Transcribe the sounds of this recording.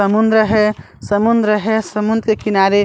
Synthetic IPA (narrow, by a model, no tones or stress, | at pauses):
əmund̪ɾəɦe | səmund̪ɾəɦesəmund̪ɾekinaɾe